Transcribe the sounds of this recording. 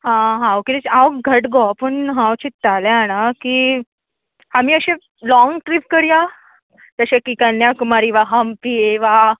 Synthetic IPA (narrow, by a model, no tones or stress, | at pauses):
ɦãɦãwkit̪et͡ɕaʋɡʱəʈɡɔpəɳɦãwt͡ɕit̪t̪ːaleanakiː | amiːəɕẽ | lɔŋɡʈɾip̚kəɽja | t̪əɕakikanjakumaɾiʋaɦampieʋa